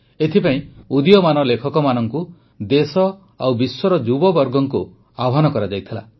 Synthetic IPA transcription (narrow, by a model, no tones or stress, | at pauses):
et̪ʰipaĩud̪ijɔmanɔlekʰɔkɔmanɔŋku | d̪esɔ | a̰wbiswɔɾɔd͡ʒubɔbɔɾɡɔŋku | abɔɦanɔkɔɾad͡ʒajt̪ʰila̰